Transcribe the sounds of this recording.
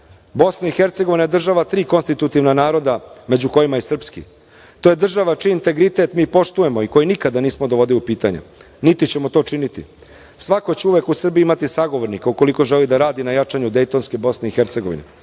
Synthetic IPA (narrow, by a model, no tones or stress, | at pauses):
bo̞snaixe̞ɾt̪seɡoʋinajed̪r̩ʒaʋat̪ɾiːko̞nst̪it̪ut̪iʋnanaːɾo̞d̪ame̞d͡ʑuko̞jimaisr̩pskḭ | t̪o̞ːjed̪r̩ʒaʋat͡ʃijeint̪e̞ɡɾit̪e̞t̪miːpo̞ʃt̪uje̞mo̞iko̞jinikad̪aniːsmod̪oʋo̞d̪iliupiːt̪aɲa̰ | nit̪it͡ɕemo̞t̪oːt͡ʂinit̪ḭ | sʋako̞t͡ɕeuʋe̞kusr̩biimat̪isaɡo̞ʋo̞ɾnikauko̞liko̞ʒelid̪aɾaːd̪inajat͡ʂaɲud̪e̞jt̪o̞nske̞bo̞sne̞ixeɾt̪se̞ɡo̞ʋḭnḛ